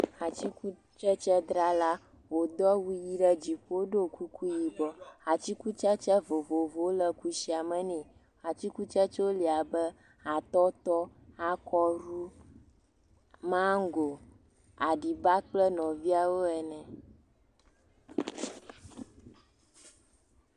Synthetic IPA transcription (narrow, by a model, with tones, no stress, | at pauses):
a˨t͡ɕi˦ku˦ | t͡ʃɛ˦t͡ʃɛ˦d̪ɾa˦la˦ | wo˨d̪ɔ˦wu˦ji˦ɖɛ˦d͡ʑi˨ɸo˦ɖo˦ku˦ku˦ji˨bɔ˨a˨t͡ɕi˦ku˦t͡ʃɛ˦t͡ʃɛ˦vo˨vo˨vo˨˦lɛ˦ku˦ʃi˦a˨mɛ̃˨nĩ˨ | a˨t͡ɕi˦ku˦t͡ʃɛ˦t͡ʃo˦li˨a˨bɛ˦ | a˨t̪ɔ˦t̪ɔ˦a˦kɔ˦ɾu˦ | mã˦ŋ˦ɡo˨ | a˨ɖi˨ba˦k͡plɛ˦nɔ̃˨vi˦a˨wo˦ɛ˨nɛ̃˨